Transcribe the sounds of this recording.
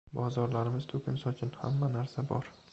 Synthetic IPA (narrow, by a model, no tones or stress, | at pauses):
bɒzɒɾlaɾɪmɪz̥t̪ʰʊkʲʰɪnsɒt͡ʃʰɪnha̰mːanaɾsabɒ̰ɾ